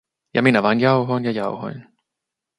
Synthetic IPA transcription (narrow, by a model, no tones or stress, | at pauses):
jɑ̰minæʋɑinjɑuɦoinjɑjɑuho̰jn